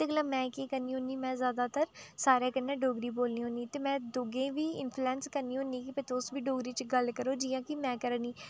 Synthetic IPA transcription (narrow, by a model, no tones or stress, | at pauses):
t̪eːɡlaːmɛ̃ːkeːkəɾniːɦõniːmɛ̃ːzjaːd̪aːt̪əɾsaːɾeːkənːɛ̃ːɖoːɡɾiːboːlniːɦoniːt̪eːmɛ̃ːd̪oːɡẽːʋiːɪ̰npʰluɛ̃ːnskəɾniːɦʊ̃niːkɪpət̪ʰoʊsʋiːɖoːɡɾiːt͡ʃɡəlkəɾoːd͡ʒiːãːkɪmɛ̃ːkəɾəniː